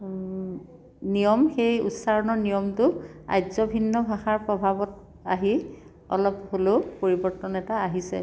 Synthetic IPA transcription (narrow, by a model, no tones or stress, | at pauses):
nijɔmxejṵtsaɹɔnɔɹnijɔmtʊa̰jzɔbʱinːɔbʱaxaɹpɹɔbʱabɔt̚ | a̰ɦi | ɔ̰lɔpholopoɹibɔɹtɔnɛtaːɦisɛ̰